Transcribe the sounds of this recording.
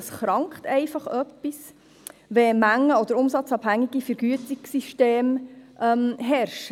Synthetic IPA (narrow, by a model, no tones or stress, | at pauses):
sχɾɑŋkχt̪ɛɪfɑχœpːis | ʋɛmæŋːəɔd̥̪əɾʊmsɑt͡sɑbhæŋːiɡ̥ifəɾɡyətiksiʃteːmʔɛmɦɛɾʃ